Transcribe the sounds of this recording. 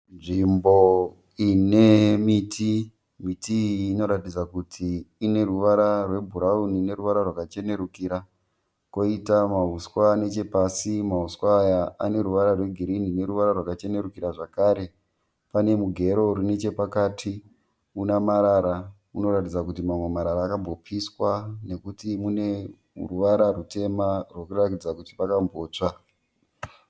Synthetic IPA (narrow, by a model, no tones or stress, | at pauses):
nʐimbo̞ | inemitʰi | mitʰiːno̞ɾatid͡zakutʰiːne̞ruʋaɾarwe̞bʱuɾaunine̞ɾuʋaɾarwakat͡ʃe̞ne̞ɾukiɾa | ko̞itamaɦuskwane̞t͡ʃe̞pasimaɦuskwaːjaane̞ɾuʋaɾarwe̞ɡʱiɾinine̞ɾuʋaɾarwakat͡ʃe̞ne̞ɾukiɾaʐakaːɾe̞ | pane̞muɡʱe̞ɾo̞rune̞t͡ʃe̞pakaːtʰi | unamaɾaɾa | uno̞ɾatid͡zakutimamwemaɾaɾaːkambo̞pʰiswane̞kutimune̞ | ruʋaɾarute̞marwo̞kuratid͡zakutipakambo̞ːt͡ʂa